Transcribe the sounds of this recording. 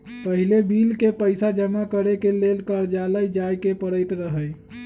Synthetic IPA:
pəɦilebilkepəjsad͡ʒəmakəɾekelelkəɾd͡ʒaləjd͡ʒajkepəɽəjt̪ɾəɦəj

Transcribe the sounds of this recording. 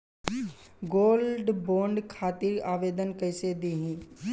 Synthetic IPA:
ɡoːlɖboːɳɖkʰaːt̪iɾaːʋeːd̪ənkəɪseːd̪iːɦĩː

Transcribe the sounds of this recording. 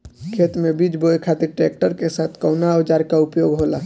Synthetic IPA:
kʰeːt̪mẽbiːd͡ʒbojkʰat̪iɾʈɾeːk̚ʈəɾkesaːt̪ʰkəʊnaəʋd͡ʒaːɾkaʊpjoːɡɦoːlaː

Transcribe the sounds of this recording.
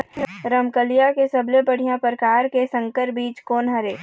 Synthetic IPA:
ɾəmkəlijakesɐblebɐɽ̤ijãpɾkaːɾkesə̃ŋkəɾbiːt͡ʃkoːnɦəɾeː

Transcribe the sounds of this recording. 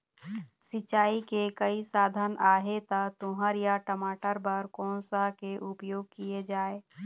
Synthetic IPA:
sɪt͡ʃaːikekəisaːd̪ʱənaːɦet̪at̪õːɦəɾjaʈəmaːʈəɾbəɾkɔ̃ːnsakeʔʊpjoːɡ̚kied͡ʒaːeː

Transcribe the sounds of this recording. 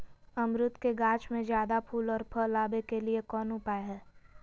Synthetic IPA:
ɐmɾʊt̪keɡãːt͡ʃmẽd͡ʒjaːd̪apʰuːlɔːɾpʰəlaːbekeliekɔːnɦʊpaːeɦɛː

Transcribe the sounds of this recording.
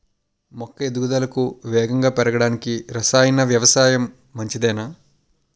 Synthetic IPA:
mɔkːɐed̪uɡud̪ɐlɐkuʋɛːɡɐŋɡaːpɛɾɐɡɐɽaːnikiɾɐsaːjɐnɐʋjɐʋɐsaːjɐmː | ɐɲt͡ʃid̪ɛːnaː

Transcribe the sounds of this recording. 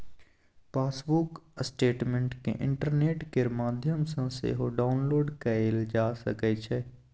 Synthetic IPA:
paːsbuksʈeːʈmẽɳʈkḛʔɪ̰̃ɳʈəɾneːʈkeɾmaːd̪ʱjəmsə̃sḛɦoɖaːʊnloːɾɖkəeld͡ʒaːsə̰ket͡ʃʰɛ

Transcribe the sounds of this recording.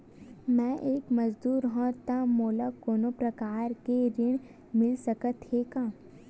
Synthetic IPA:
mɛ̃ʔeːkmɐd͡ʒd̪uːɾɦɔ̃t̪amoːləkoːnopɾɐkaːɾkeɾɪɽ̃ | mɪlsɐkət̪eːkãː

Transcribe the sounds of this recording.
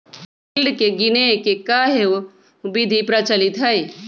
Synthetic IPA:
bɪlɖkeɡɪnekekaɦeo | ʊbid̪ʱipɾɐt͡ʃəlɪt̪ɦɐi

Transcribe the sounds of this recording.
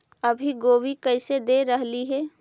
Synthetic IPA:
ɐbʱiɡoːwikɐɪsed̪eːɾɐɦliɦɛː

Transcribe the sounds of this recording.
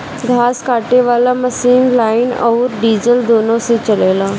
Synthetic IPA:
ɡʱaːskaːʈeʋaːlaməsiːnlaːɪnɔːɾɖiːzəld̪oːnõset͡ʃəleːlaː

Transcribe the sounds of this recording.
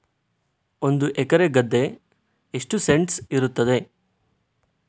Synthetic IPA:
o̞nd̪uʔɛkɐɾeɡɐd̪ːe̞ː | ʂʈuse̞ɳʈsiɾut̪ːɐd̪e̞

